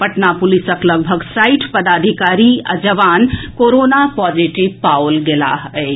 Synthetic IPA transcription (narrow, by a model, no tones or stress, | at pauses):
pɐʈnapʊlisəkləɡbʱəɡsaɪʈʰpəd̪aːd̪ʱikaːɾia̰d͡ʒəʋaːnkoːɾoːnapɔd͡ʒiʈibpaolɡela̰ɦəɪ